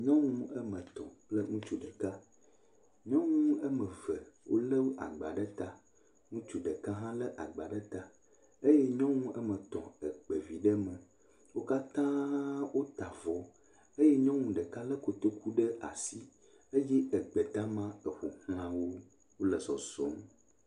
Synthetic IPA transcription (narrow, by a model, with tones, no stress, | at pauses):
ɲɔ̃˦ŋũ˦ə˦mə̃˨t̪ɔ̰̃˨k͡plə˦ŋũ˦t͡ʃu˨ɖə˨ka˦ | ɲɔ̃˦ŋũ˦ə˦mə̃˨və˨wo̰˦lə˦wo˦ʔa̰˨ɡ͡ba˨ɖə˦t̪a˨ | ŋũ˦t͡ʃu˨ɖə˨ka˦ɦã˦lə˦ʔa̰˨ɡ͡ba˨ɖə˦t̪a˦˨ | ə˦jɛ˦ɲɔ̃˦ŋũ˦ʔə˦mə̃˨t̪ɔ̰̃˨ə˨k͡pə˨vi˨ɖə˦mə˨ | wo˦ka˦t̪ã˦wo˦t̪a˨vɔ˨˦ | ə˦jɛ˦ɲɔ̃˦ŋũ˨ɖə˨ka˦lə˦ko˨t̪o˦kʰu˦ɖə˦ʔa̰˨si˦ | ə˦jɛ˦ə˨ɡ͡bə˨t̪a˦mã˦ə˨ɸo˨hl̃ã˦wo˦ | wo˦lə˨sɔ˨zɔ̰˦m